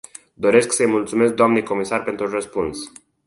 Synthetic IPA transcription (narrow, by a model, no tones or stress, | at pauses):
d̪o̞ɾe̞sksəjmult̪sume̞sk̚d̪oamnejko̞misarpe̞nt̪ɾurəspuns